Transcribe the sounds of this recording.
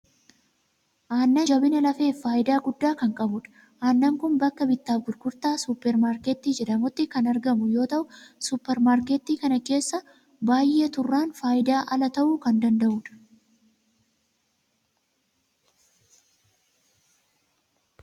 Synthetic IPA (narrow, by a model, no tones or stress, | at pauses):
ʔaːnːɐd͡ʒɐbɪnɐlɐfe̞ːfːaːʔɪd̪aːɡʊd̪ːaːkɐŋkʼɐbʊᶑɐ̥ | ʔaːnːaŋkʊnbɐkːɐbɪt̪ːaːfɡʊɾɡʊɾt̪aːsʊpːɛɾmaːɾkeːt̪ːiːd͡ʒɛᶑɐmʊt̪ːɪkɐnɐɾɡɐmʊjo̞ːt̪ɐʔʊsʊpːɛɾmaːɾkeːt̪ːiːkɐnɐke̞ːsːɐ | baːjʔːe̞ːt̪ʊrːaːnfaːʔɪd̪aːʔɐlɐt̪ɐʔuːkɐnd̪ɐnd̪ɐʔuːᶑɐ̥